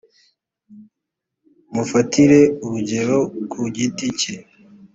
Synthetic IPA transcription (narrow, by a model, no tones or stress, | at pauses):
mufatiɾe̞uβuɟe̞ɾo̞kuɟitice